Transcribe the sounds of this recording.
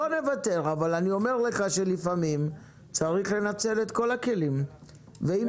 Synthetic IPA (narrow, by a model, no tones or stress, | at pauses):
one̞vat̪e̞ʁavalanio̞me̞ʁle̞χaʃe̞lifamim | t͡saʁiχle̞nat͡se̞let̪ko̞lake̞lim | vei